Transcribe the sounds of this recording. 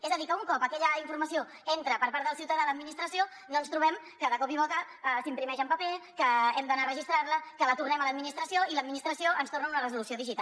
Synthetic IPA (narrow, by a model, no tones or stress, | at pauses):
ɛzəðikəuŋkɔpəkɛʎəiɱfuɾməsio | ent̪ɾəpəɾpaɾt̪ðəlˠsiuwt̪əðaləd̪minist̪ɾəsio | nonst̪ɾuβɛm | kəðəkɔpiβɔkə | əsimpɾimɛʒəmpəpekəɛmd̪ənarəʒist̪ɾaɾləkələt̪urnɛmələd̪minist̪ɾəsioiləd̪minist̪ɾəsioənst̪ornəunərəzulusioðiʒit̪a